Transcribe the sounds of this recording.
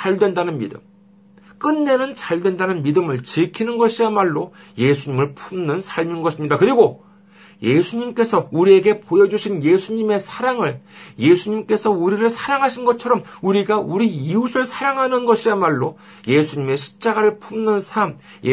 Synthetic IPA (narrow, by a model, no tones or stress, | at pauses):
aɭdwe̞ndanɯnmḭdɯ̰m | k͈ɯnːe̞nɯnt͡ɕaɭdwe̞ndanɯnmidɯmɯɭt͡ɕɯkʰinɯnɡʌɕʰiɾamaɭːo | je̞sʰuɲimɯɭpʰumnɯnsʰaɭminɡʌɕʰimɲidakɯɾiɡo | je̞sʰuɲimk͈e̞sʰʌuɾie̞ɡe̞pojʌd͡ʑuɕʰinje̞sʰuɲime̞sʰaɾaŋɯɭje̞sʰuɲimk͈e̞sʰʌuɾiɾɯɭsʰaɾaŋɦaɕʰinɡʌt͡ɕʰʌɾʌmuɾiɡauɾiiusʰɯɭsʰaɾaŋɦanɯnɡʌɕʰiɾamaɭːo | je̞sʰuɲime̞ɕʰi̥p̚t͡ɕ͈aɡaɾɯɭpʰumnɯnsʰam | j